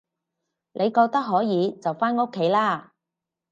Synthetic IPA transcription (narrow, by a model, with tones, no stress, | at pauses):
nʔe˨˧jkɔː˧k̚t̪ɐ˥k̚ɦɔː˨˥jiː˨˧t͡sɐ˨wfaː˥nŋo˥kʰːe˨˥jlaː˥˩